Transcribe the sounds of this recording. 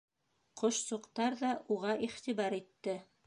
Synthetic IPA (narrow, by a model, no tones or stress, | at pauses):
qʰŏʃsuqt̪ɑɾðɑʔuʁɑʔiχt̪iβɑɾit̪ːɘ